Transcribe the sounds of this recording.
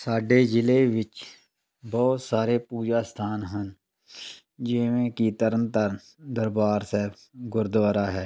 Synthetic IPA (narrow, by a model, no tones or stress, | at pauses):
saːɖed͡ʒɪleʋɪt͡ʃ | bɔːt̪saːɾepuːd͡ʒaːst̪ʰaːnɦən | d͡ʒɪmẽkit̪əɾənt̪əɾ | d̪əɾbaːɾsɛː | ɡʊɾd̪ʋəɾaɦɛː